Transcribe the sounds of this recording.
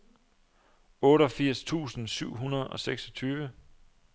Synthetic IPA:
ɔ̽ːɾɒfiɐ̰st͡sʰṵːsn̩syʊ̰ɦunɐðˠɒ̽seɡ̥sɒ̽t͡sʰyːʋə

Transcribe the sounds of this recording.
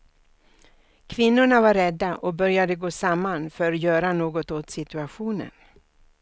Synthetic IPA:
kʰvɪnːʊɳavaɾːɛd̪ːaʔɔbœɾjad̪əɡoːsamːanfœɾjœːɾanoːɡɔt̪ot̪sɪt̪ɵaɧuːnə̰n

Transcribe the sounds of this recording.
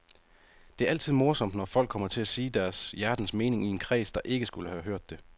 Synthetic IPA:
d̥e̝æɐæ̰l̰t͡sʰið̰ˠmo̝ɐsɒ̽md̥nɒfɒ̽l̰ɡ̥̚ʰɒ̽m̰ɐt͡sʰe̝læsiːd̥æɐsjæɐd̥n̩sme̝ːne̝ŋie̝nkʰʁɛ̰ːsd̥ɑ̈ʔe̝ɡ̥əsɡ̥uləhæɦøɐ̰d̥ːe̝

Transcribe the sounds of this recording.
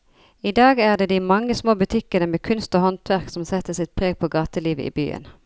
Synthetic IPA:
id̪ɑːɡæːʁd̪eːd̪iːmɑŋːəsmoːbʉt̪ʰɪkənəmeːkʰʉnst̪oːhɔnt̪ʰʋæʁksɔmsɛt̪ːəsɪt̪̚pʰʁeːɡ̚pʰoːɡɑːt̪əliːʋə̰ʔḭːby̰ːə̰n

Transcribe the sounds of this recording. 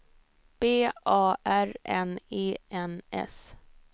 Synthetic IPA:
b̥eːʔɑːʔæɾɛneːɛnɛ̰s

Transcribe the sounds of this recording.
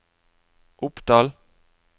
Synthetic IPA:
ʔʊpd̪̥ɑːl

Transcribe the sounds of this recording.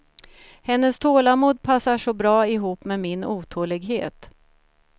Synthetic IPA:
hɛnːəst̪ʰoːlamuːd̪̚pʰasːaʂɔbɾɑːɪɦuːpːmɛmɪnuːt̪ʰoːlɪɡɦḛːt̪

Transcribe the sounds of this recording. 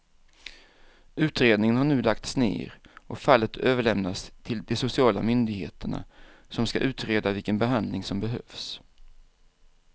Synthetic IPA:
ʉ̟ːt̪ɾeːd̪nɪŋənhaɳʉ̟ːlak̚t̪snḛːɾʔɔfalːət̪øːvəɭɛmnast̪ʰɪld̪ɛsʊsɪɑːla̰mʏnd̪ɪɡheːt̪əɳa̰ | sɔmska̰ʔʉ̟ːt̪ɾeːd̪avɪlkənbɛɦand̪lɪŋsɔmbɛɦœ̰fs

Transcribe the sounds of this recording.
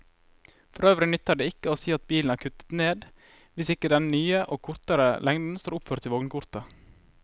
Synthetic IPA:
fɔɾøːʋɾɪnʏt̪əɖeːɪkəoːsiːɑt̪̚biːlnæːɾkʰʉt̪ə̥t̪neːd̪ | ʋɪsɪkəd̪ɛnnyːəʔoːkʰʊɾt̪əɾəlɛŋd̪n̩st̪oːɾʊpføːɾt̪ʰɪʋɔɡnkʊɾt̪ɑ

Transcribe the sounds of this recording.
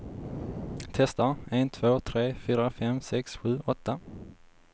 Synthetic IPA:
t̪ʰɛst̪aeːnt̪ʰvoːt̪ʰɾeːfyːɾafɛmsɛksɧʉ̟ːʔɔt̪ːa

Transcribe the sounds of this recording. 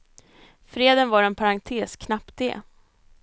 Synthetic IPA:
fɾeːd̪ənvaɾɛnpʰaɾant̪ʰeːskʰnapt̪̚d̪ḛː

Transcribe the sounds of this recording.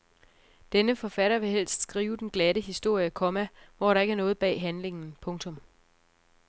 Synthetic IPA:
d̥enəfɒ̽fæɾɐʋe̝hel̰sd̥sɡ̥ʁiːʊd̥enɡ̥læɾəɦisd̥o̝ɐ̰jəkʰɒ̽mæʋɒɾ̥ɑ̈e̝ɡ̥æɐnɔ̽ːð̞̩ˠb̥ɛ̰ːɦænle̝ŋn̩pʰɔ̽ŋt͡sʰɔ̽m

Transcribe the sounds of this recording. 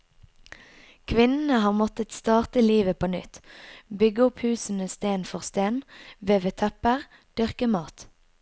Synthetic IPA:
kʰʋɪnn̩əhɑːʁmɔt̪ət̪st̪ɑːʁt̪əliːʋəpʰoːnʏ̰t̪bʏɡəʊphʉːsn̩əst̪eːnfɔʁst̪eːnʋeːʋet̪ʰɛpəʁ | d̪̥ʏʁkəmɑːt̪

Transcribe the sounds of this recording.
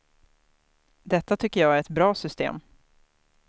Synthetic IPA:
d̪ɛt̪ːat̪ʰʏkːəjɑːæɾɛt̪bɾɑːsʏst̪ḛːm

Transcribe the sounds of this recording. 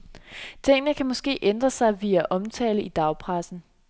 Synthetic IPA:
t͡sʰe̝ŋ̰ənəkʰæmɒ̽sɡ̥e̝̰ːʔend̥ʁɐsɑ̈ɪʋiæʔɒ̽mt͡sʰɛ̰ːləid̥ɑ̈ʊpʰʁasn̩

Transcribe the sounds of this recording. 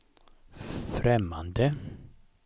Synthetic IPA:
fɾɛmːa̰nd̪ə

